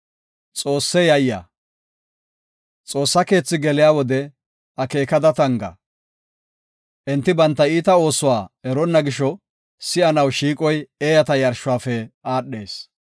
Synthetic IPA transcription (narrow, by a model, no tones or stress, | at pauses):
t͡sʼo̞ːsːɛjɐjːa̰ː | t͡sʼo̞ːsːɐke̞ːt͡sːɪɡɛlɪjaːwɔd̪ɛ | ɐke̞ːkɐd̪ɐt̪ɐŋɡɐ̰ | ʔɛnt̪ːɪbɐnt̪ːɐiːt̪ɐo̞ːsʊwaːɛɾɔnːɐɡɪʃɔ | sɪɐnɐwʃiːkʼɔjeːjɐt̪ɐjɐɾʃʊwaːfɛaːɗːeːs